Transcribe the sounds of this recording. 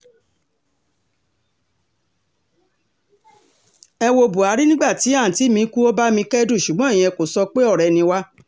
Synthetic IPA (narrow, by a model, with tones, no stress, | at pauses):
ɛ˧wo˧bu˨a˨˦ɾi˦nĩ˦ɡ͡ba˦˨ti˨˦ã˦˨ti˨˦mĩ˧˦ku˦o˦ba˦mĩ˧kɛ˦du˦˨ʃu˨ɡ͡bɔ̃˨˦˨j̃ɛ̃˧ko˨sɔ˧k͡pe˦ɔ˦˨ɾɛ˨nĩ˧wa˦